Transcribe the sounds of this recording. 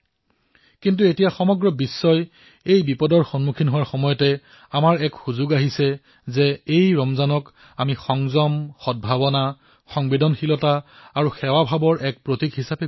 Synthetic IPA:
kint̬uetijaxɔmɔɡɹɔbisːɔj | ejbipɔdɔɹxɔnmukʰinɦowaɹxɔmɔjɔtɛ | amaɹɛkxuzʊɡaɦisɛ | zɛejɹɔmzanɔk | amixɔŋzɔmxɔd̚bʱabɔna | xɔŋbedɔnxilɔtaːɹuxɛwabʱabɔɹʔɛk̚pɹotikɦisapɛ

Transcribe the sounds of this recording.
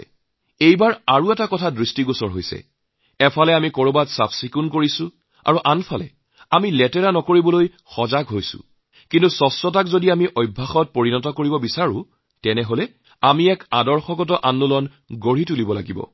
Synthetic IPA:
ejbaɹaɹuɛtakɔtʰadɹistiɡosɔɹɦojsɛ̰ | ɛpʰalɛamikɔɹobatsapsikunkoɹisu | a̰ɹuʔanpʰalɛ̰ | amilɛtɛɹanɔkoɹibɔloj | xɔzaɡɦojsʊ̰̃ | kintusɔsɔt̬akzodiamiʔɔjbʱːaxɔt̚poɹinɔtɔkoɹibɔbisaɹʊ̰̃ | tɛnɛɦolɛ | amiɛkadɔɹxɔkɔt̬ɔʔanːulɔn | ɡoɹitulibɔla̰ɡibɔ̰

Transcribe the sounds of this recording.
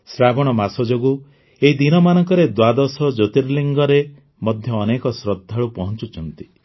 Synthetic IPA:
sɾabɔɽ̃ɔmasɔd͡ʒoɡu | eɦid̪inɔmanɔŋkɔɾed̪wad̪ɔsɔd͡ʒot̪iɾliŋɡɔɾe | mɔd̪ʱjɔːnekɔsɾɔd̪ʱːaɭupɔɦɔnt͡ʃut͡ʃʰɔnt̪i̥

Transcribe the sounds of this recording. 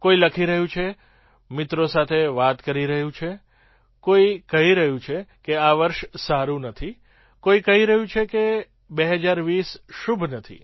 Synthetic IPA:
koiləkʰiɾəɦũt͡ʃʰe | mɪt̪ɾosat̪ʰeʋat̪kəɾiɾəɦũt͡ʃʰe | koikəɦiɾəɦũt͡ʃʰekeaʋəɾʃsaɾũnət̪ʰi | koikəɦiɾəɦũt͡ʃʰeke | beɦəd͡ʒaɾʋisʃubʱnət̪ʰḭ

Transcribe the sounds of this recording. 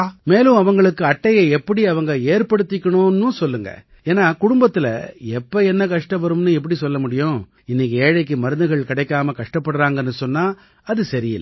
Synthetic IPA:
meːlɯ̃ɐʋɐŋɡɐɭɯkːɯɐʈːɐjɐɛpːɐɽiɐʋɐŋɡɐeːɾpɐɽɯt̪ːɪkːɐɳʊnːɯ̃sɔlːɯŋɡɐ̰ | eːnːaːkʊɽʊmbɐt̪ːɪlɐ̰ɛpːɐɛnːɐkɐʂʈɐ̃ʋɐɾɯmnɯɛp̬ːɐɽisɔlːɐmʊɽɪjʊ̃ | ɪnːɪk̬ːeːɻɐɪkːɯmɐɾɯnd̪ɯɣɐɭkɪɽɐɪkːaːmɐkɐʂʈɐpːɐɽɯɾaːŋɡɐnːɯsɔnːaː | ɐðɯsɐɾɪɪ̰lː

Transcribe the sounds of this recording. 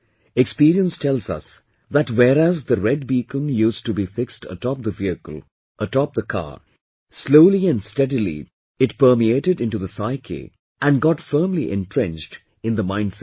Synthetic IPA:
ɛkspiɾiə̃nstʰɛlˠzʌ̰s | ðætwɛɾæzðəɹɛd̚biːkə̃njustubifɪkstʰə̰tɔp̚d̪əviɨkə̰l̩ˠ | ʔətɔp̚d̪əkʰa̰ | sloʊliɨ̃nstɛdilḭ | ɨt̚pəːmieɪɾɨɾɪ̃ntuðəsaɪkʰḛ | ʔæ̃nɡɑtfɜːmliʔɛ̰̃ntɹɪ̃nd͡ʒd | ɨ̃nðəmãɪ̃n̥sɛt

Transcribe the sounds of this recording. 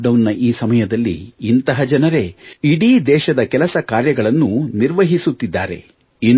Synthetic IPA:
ɖɐwnːɐʔiːsɐmɐjɐd̪ɐlːḭːnt̪ɐɦɐd͡ʒɐnɐɾe̞iɽiːd̪ɛːʃɐd̪ɐkɛlɐsɐkaːɾjɐɡɐɭɐnːuniɾʋɐɦisut̪ːid̪ːaːɾe̞̰ | in

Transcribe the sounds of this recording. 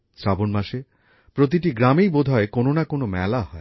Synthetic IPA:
sɾabonmaʃe | pɾot̪̬iʈiɡɾamijbod̪ʱɔekononakonomɛ̰laɦɔe

